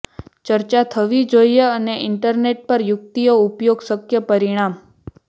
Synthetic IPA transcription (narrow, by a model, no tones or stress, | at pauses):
t͡ʃəɾt͡ʃat̪ʰəʋid͡ʒojjeəneɪɳʈəɾneʈ̚pəɾjʊk̚t̪ijoupjoɡsəkjəpəɾiɽ̃am